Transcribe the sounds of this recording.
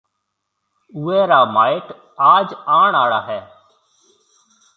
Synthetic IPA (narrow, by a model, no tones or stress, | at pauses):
uːɛːɾaːmaːɪʈ | aːd͡ʒaːɳaːɽaːɦɛː